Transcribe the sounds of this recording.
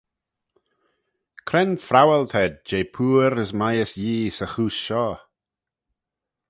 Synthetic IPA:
kʰɾɛnfɾawɛlt̪ʰɛd̚d͡ʒejpʰuːɾəsmajəsjiːsəxuːsʃɔː

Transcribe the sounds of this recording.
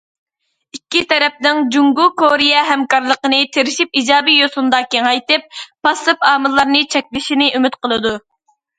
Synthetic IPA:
ikʲːit̪ʰɛɾɛp̚nɪŋd͡ʒuŋɡukoɾijɛɦɛmkɑɾlˠəqənɨt̪ʰeɾɪʃip̚id͡ʒɑːbijosund̪ɑːkʲeŋɑjt̪ɨp̚ːɑsɨpɑːmɨlˠːɑɾnɨt͡ʃʰɛkʲlɪʃinɪʔymɪt̪qəlˠɨd̪u

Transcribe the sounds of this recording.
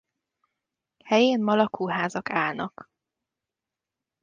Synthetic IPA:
hɛjeːnmɒlɒkʰuːɦaːzɒkaːlnɒk

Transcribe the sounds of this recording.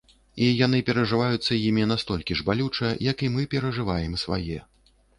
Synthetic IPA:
ijan̪ɨpʲɛɾɐʐɨvajut̪sːɐjimʲinast̪ɔlʲkʲiʐbalʲut͡ʂɐjɐkimɨpʲɛɾɐʐɨvajɛmsva̰jɛ

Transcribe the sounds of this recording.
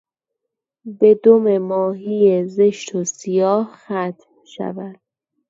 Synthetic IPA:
be̞d̪ome̞mɒːɦijeze̞ʃt̪ʰosijɒːhxæt̪ʰ | ʃæ̰væd̪̥̚

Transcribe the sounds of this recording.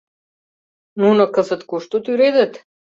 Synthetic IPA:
nunakəsət̪kuʃt̪ot̪iɾɛd̪ɛt̪

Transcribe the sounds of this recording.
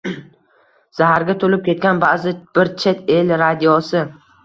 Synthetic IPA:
z̥aɦaɾɡʲat̪ʰolɪp̚kʲe̞t̪̚kʲanbazɪb̥ɪɾt͡ʃʰe̞t̪ʰelɾad̪ijɒsɪ

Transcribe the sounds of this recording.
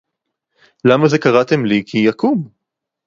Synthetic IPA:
lamaze̞kaʁat̪e̞mlikʰijakum

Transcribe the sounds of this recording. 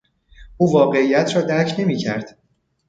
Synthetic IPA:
ʔuːvɒːɢe̞ijæt̪ʰɾɒːd̪æɾcʰne̞miːcʰæ̰ɾd̪̥

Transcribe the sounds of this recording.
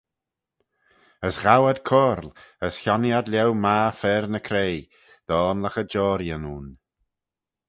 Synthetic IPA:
əsɣawəd̪kʰɔːɾləsçɔnjad̪ljɛwmaːfɛɾnəkʰɾej | d̪̥ɔːnləxəd͡ʒɔːɾjənuːn

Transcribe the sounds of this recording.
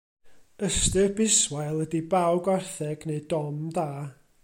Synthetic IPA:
əstɨrbɪswajlˠədibawɡwarθɛɡneɨdɔmdaː

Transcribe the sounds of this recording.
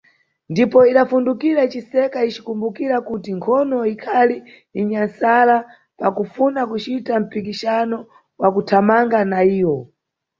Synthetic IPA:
ndipɔiɗafundukiɾat͡ʃisɛkait͡ʃi̥kumbukiɾakutiŋkʰɔnɔikʰaliː | ɲansala | pakufunakut͡ʃitam̩pikiʃanɔ | wakutʰamaŋɡanaiːwɔ

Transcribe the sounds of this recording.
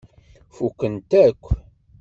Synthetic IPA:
fukːənt̪ækʷː

